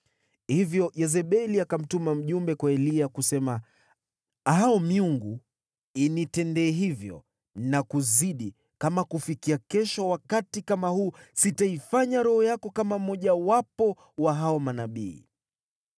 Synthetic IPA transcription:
hivjɔjɛzɛɓɛliakam̩tumam̩ʄumbɛkwaɛliakusɛma | ɦaɔmiuŋɡu | initɛndɛːɦivjɔ̰ | nakuziɗi | kamakufikiakɛʃɔwakatikamahuːsitaifaɲaɾɔhɔjakɔkamam̩ɔʄawapɔ | waɦaɔmanaɓḭː

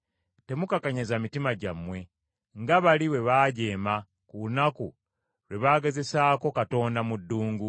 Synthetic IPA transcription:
te̞mukakaɲazamitimaɟamwe̞ | ŋɡaβaliwe̞βaːɟe̞ːma | kunaku | ɾwe̞βaːɡe̞ze̞saːko̞kato̞ːndamudːuːŋɡu

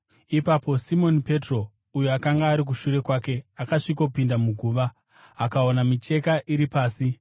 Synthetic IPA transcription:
ipapo̞simo̞nipe̞tro̞ | ujuakaŋɡaːɾik̬uʃuɾe̞kwaːke̞akaʂiko̞pindamuɡʱuːʋa | akaonamit͡ʃe̞kaʔiɾipaːsi

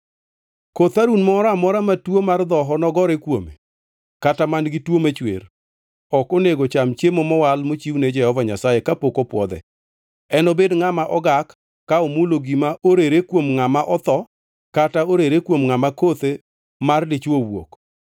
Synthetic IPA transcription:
kot̪aɾunmɔɾamɔɾamatwomard̪ɔɦɔnɔɡɔɾekwomḛ | katamanɡitwomet͡ʃwḛr | ɔkoneɡot͡ʃamt͡ʃemomɔwalmot͡ʃiwned͡ʒɛhɔvaɲasajekapokopwɔ̰d̪ɛ̰ | ɛnɔbedŋamaʔɔɡakː | aomuloɡimaʔoɾeɾekwomŋamaʔɔt̪ɔ | kataoɾeɾekwomŋamakot̪e | marlɪt͡ʃowo̰k

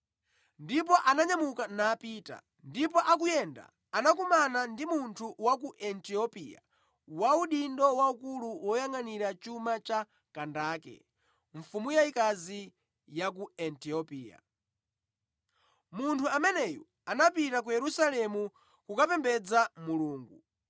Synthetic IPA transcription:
ndip̬ɔʔanaɲamukanaːpiːta̰ | ndip̬ɔʔakujɛnda̰ | anak̬umanandimuntʰuwak̬uʔɛntiɔpḭja̰ | wauɗindɔwaukuluwɔjaŋaniɾat͡ʃumat͡ʃa | kandaːkɛ̰ | ɱfumujaikazi | jak̬uɛntiɔpiːa̰ | muntʰuamɛnɛjɔ̰ | anapitak̬ujɛɾusalɛmu | kukapɛmbɛd͡zamuluːŋɡu

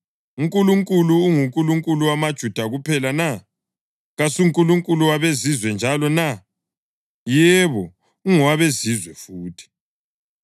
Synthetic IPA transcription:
uŋkʼuluŋkʼuluːŋuŋkʼuluŋkʼuluwamad̥ʒ̥ʱud̥ʱaɣupʰɛlana | ɣasuŋkʼuluŋkʼuluwaβezizwɛnd͡ʒʱalɔna | jɛβɔ | uŋɔwaβezizwɛfuːtʰi̥

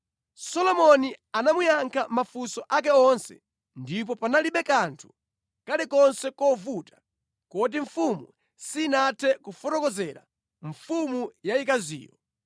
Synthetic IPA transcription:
sɔlɔmɔnianamujaŋkʰamafusɔʔak̬ɛɔnsɛ̰ | ndip̬ɔpanaliɓɛkantʰu̥ | kalikɔnsɛkɔvutḁ | kɔt̬iɱfumu | sinatʰɛkufɔtɔkɔzɛɾa̰ | ɱfumujaikazḭːjɔ̰

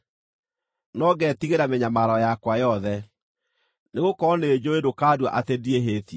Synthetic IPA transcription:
nɔɡɛtiɣeɾameɲamaɾɔjakwajɔðɛ | neɣokɔneːd͡ʑoedokaːdwa̰ʔatedieɦeːtie

